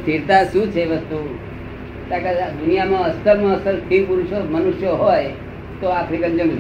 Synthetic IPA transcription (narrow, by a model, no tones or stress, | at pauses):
t̪ʰiɾt̪aʃũt͡ʃʰeʋəst̪u | t̪aked̪unijamãəst̪ʰəɾmãəsəlt̪ʰipuɾuʃomənuʃjoɦoj | t̪oakʰɾikənd͡ʒə̃ŋɡ